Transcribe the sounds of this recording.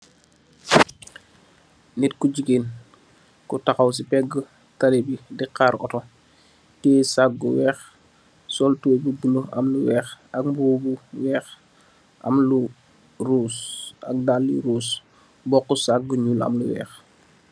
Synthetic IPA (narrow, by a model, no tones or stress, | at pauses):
nitkuɟiɡeːn | kutaxaws̬ipɛɡːə | talibidiqaɾɔ̰tɔ | tɛːsak̚ɡuwɛːx | sɔltububuloɐ̰mluwɛːxɐk̚mbuːbuwɛːx | ʔɐ̰mlu | rusa̰k̚dalːiɾuːs | bɔkːusak̚ɡuɲulɐ̰mluwɛ̰ːx